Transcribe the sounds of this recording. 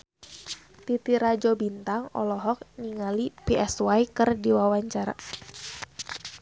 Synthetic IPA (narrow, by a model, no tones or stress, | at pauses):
t̪it̪iɾad͡ʒɔbint̪aŋɔ̰lɔɦɔk̚niŋalipiʔɛswaikɨrdiwawaɲt͡ʃaɾa̰